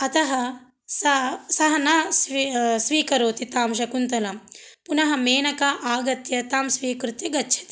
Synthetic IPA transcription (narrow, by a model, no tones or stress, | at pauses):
ɐt̪ɐɦɐ | sɐsɐɦɐnɐssʋiːkɐɾoːt̪it̪aːmʃɐkunt̪ɐlɐmpunɐɦɐmeːnɐkɐʔaːɡɐt̪jɐt̪aːmsʋiːkɾut̪jɐɡɐtːʃʰɐ̥t̪i̥